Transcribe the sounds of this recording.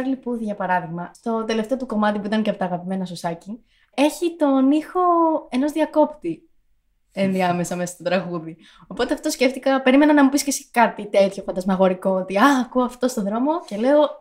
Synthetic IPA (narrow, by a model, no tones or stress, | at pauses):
ɾlipuðiʝɐpɐɾɐðiɣmɐst̪o̞t̪e̞le̞ft̪eo̞t̪uko̞mɐt̪ipuit̪ɐncepot̪ɐːɣɐpime̞nɐsosɐci | e̞çit̪o̞nixo̞e̞no̞zðiɐko̞pt̪i | enðiɐme̞sɐmesɐst̪ot̪ɾɐɣuði | o̞po̞t̪e̞ɐft̪o̞sce̞ft̪ikɐpe̞ɾime̞nɐnɐmupiscesi̥kɐt̪it̪e̞t̪ço̞fɐnd̪ɐzmɐɣo̞ɾiko̞ot̪iɐːkuoɐft̪o̞st̪o̞ðɾo̞mo̞ce̞leo̞